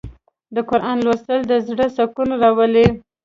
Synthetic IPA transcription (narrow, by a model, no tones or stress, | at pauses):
d̪əkʊɾʔɑnlwast̪əld̪əzɽəsakunaɾawəle